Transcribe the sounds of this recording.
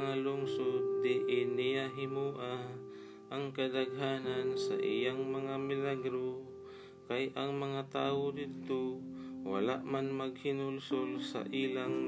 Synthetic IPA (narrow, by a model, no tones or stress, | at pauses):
ŋalʊŋsod̪̚ːɛʔɪnɪjaɦɪmuːʔa | ʔɐŋkɐd̪ɐɡɦaːnansa̰ʔɪjaŋmɐŋamɪlaɡɾo | kajʔɐŋmɐŋat̪aːwod̪ɪd̚t̪owɐ̰la̰ʔmanmɐɡhɪnʊlsolsa̰ʔilaŋ